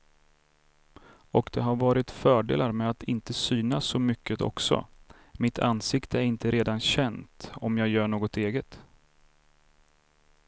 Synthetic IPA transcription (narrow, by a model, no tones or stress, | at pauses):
ɔkd̪̥ɛɦaɾvɑːɾɪt̪fœːɖḛːlaɾmɛat̪ɪnt̪əsyːnasɔmʏkːət̪ɔ̰ksɔ̰ | mɪt̪ʰa̰nsɪkt̪ʰəæɾɪnt̪əɾeːd̪anɕɛnt̪ɔmjɑːɡjœːɳoːɡɔt̪eːɡət̪